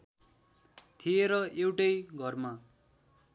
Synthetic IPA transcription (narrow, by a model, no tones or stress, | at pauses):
t̪ʰieɾʌewʈʌjɡʱʌrma